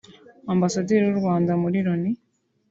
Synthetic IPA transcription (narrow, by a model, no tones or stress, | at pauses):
ambasodiɾoɾwaːndamuɾiɾoni